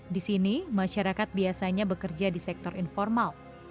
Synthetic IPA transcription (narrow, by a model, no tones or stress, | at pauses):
disinimaʃaɾakat̪̚biasaɲabəkərd͡ʒadisɛk̚t̪ɔrinfɔrmal